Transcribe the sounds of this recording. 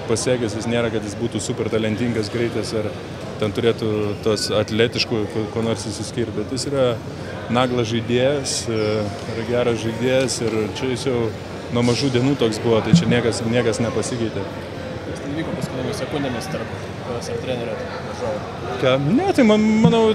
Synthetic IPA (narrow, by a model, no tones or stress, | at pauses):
pɐsʲæːkʲʊs̬ʲjʲɪsnʲeːɾɐkɐt̪jɪsbuːt̪usupʲɛrt̪ɐlʲɛnʲt̪ʲiŋɡɐsɡɾʲɛɪt̪ɐsɐr | t̪ʲɛnt̪ʊɾʲeːt̪ʊt̪oɔsɐt̪ʲlʲæːt̪ʲɪʃkʊkokoːnoːɾʲsɪʃʲsʲɪsʲkʲiːrʲt̪̚ʲbʲɛt̪jɪsiːɾɐ | nɑːɡlˠɐsʒɐɪd̪ʲeːjɛs | ɪɾɐɡʲæːɾɐsʒɐɪd̪ʲeɛjɛsɪrt͡ʃʲɛjɪsjɛʊ | nuɔmɐʒuːd̪ʲiɛnuːt̪oːksbʊʋɐt̪ɐɪt͡ʃʲɛnʲiɛkɐsnʲiɛkɐsnʲɛpɐsʲɪkɐɪt̪ʲe | kːɪst̪ʲɛnʋʲiːkoːpɐskʊɪnʲɪnʲmʲɪsʲɛkʊnʲd̪ʲɛmʲɪst̪ɐrp | osʲɐt̪ʲɾʲæːnʲɛɾʲɛt̪ɐ | ʋɐʒoːʋʲ | kɑnʲɛt̪ɐɪmɐmɐnɐʊ